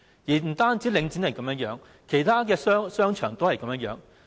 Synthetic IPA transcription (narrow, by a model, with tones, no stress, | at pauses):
jiː˨˩m̩˨˩t̪aː˥nt͡si˨˥lɪ˨˧ŋt͡si˨˥nɐ˨jkɐ˨˥mjœ˥ŋjœː˨˥ŋ | kʰe˨˩jt̪ʰaː˥kɛː˧ssœː˥ŋt͡ʃʰœː˨˩ŋt̪o˥whɐ˨jkɐ˨˥mjɐ˥ŋjœː˨˧˥ŋ